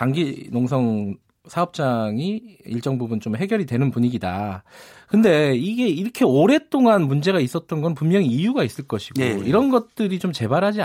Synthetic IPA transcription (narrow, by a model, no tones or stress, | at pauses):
taŋɡinoŋsʰʌŋ | sʰaʌp̚t͡ɕ͈aŋiiɭt͡ɕ͈ʌŋbubunt͡ɕomɦe̞ɡjʌɾidwe̞nɯnpuɲiɡida̰ | kɯnde̞iɡe̞iɾʌkʰe̞oɾe̞t͈oŋanmund͡ʑe̞ɡais͈ʌt̚t͈ʌnɡʌnnpummjʌŋiːjuɡais͈ɯɭk͈ʌɕʰi̥ɡ̥o̰iɾʌnɡʌt̚t͈ɯɾit͡ɕomt͡ɕe̞baɾɦad͡ʑi